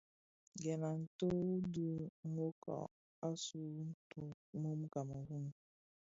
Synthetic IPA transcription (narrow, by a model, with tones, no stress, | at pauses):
ɡɛ˨na˨n̩˨to˦du˦ŋʷo˦kɔ̰˨ | a˦su˦n̩˦to˦ | mo˦mu˦ka˨mo˨ɦu˦nu˨